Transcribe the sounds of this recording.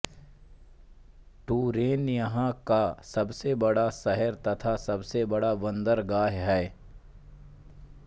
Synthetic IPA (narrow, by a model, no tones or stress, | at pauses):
ʈuːɾeːnjɐɦãkasɐbsebɐɽasɛɦəɾt̪ɐt̪ʰasɐbsebɐɽaʋɐ̃nd̪əɾɡaːɦɦɛː